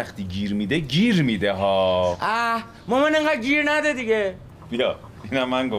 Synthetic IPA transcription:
axt̪iːɡiːɾmid̪eɡiːɾmid̪eɦɔːa | momeneŋɡad̪̚ɡiɾnad̪ed̪iɡe | jɔ | inamːaŋɡo

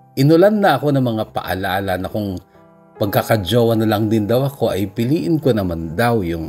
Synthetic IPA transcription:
ʔɪnʊlanːɐʔɐko̞nɐŋmɐŋapɐ̰ʔɐ̰laːlɐnɐkoŋ | pɐɡ̚kakɐd͡ʒoːwɐnɐlɐŋd̪ɪnd̪ɐwɐko̞ʔɐjpɪliːʔɪnkonɐmand̪awjʊŋ

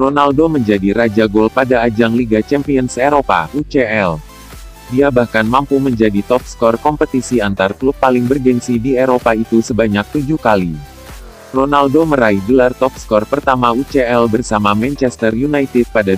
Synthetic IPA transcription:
ronaldoməɲd͡ʒadiɾad͡ʒaɡolpadaːd͡ʒaŋliɡat͡ʃɛmpiɔnseɾopa̰ʔut͡ʃeɛl | diabahkanmampuməɲd͡ʒadit̪ɔp̚skɔrkɔmpət̪isiant̪arklupːalɪŋbərɡɛnsidieɾopait̪usəbaɲak̚t̪ud͡ʒukali | ronaldoməɾaihdəlart̪ɔp̚skɔrpərt̪amaut͡ʃeɛlbərsamamɛnt͡ʃɛst̪ərjunajt̪ɪd̪̚pada

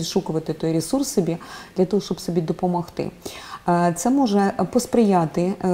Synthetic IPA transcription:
iʃukʊʋɐt̪ɪt̪ɔjɾʲɪsursːɔbʲid̪̥lʲɐt̪ɔɦɔʃt͡ʃɔbsɔbʲid̪ɔpɔmɔxt̪ɪ̰ | t̪sɛmɔʒɛpɔspɾɪjat̪ɪ

